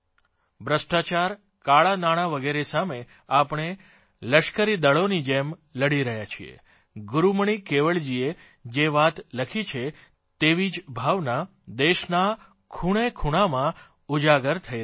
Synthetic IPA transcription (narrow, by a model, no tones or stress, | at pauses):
bɾəʃʈat͡ʃaɾ | kaɭanaɽ̃aʋəɡeɾesame | apɽ̃e | ləʃkəɾid̪əɭonid͡ʒemləɽiɾəɦjat͡ʃʰḭḛ | ɡʊɾuməɳ̃ikeʋəɭd͡ʒie | d͡ʒeʋat̪ləkʰit͡ʃʰe | t̪eʋid͡ʒbʱaʋna | d̪eʃna | kʰuɽ̃ekʰuɽ̃amã | ud͡ʒaɡəɾt̪ʰəj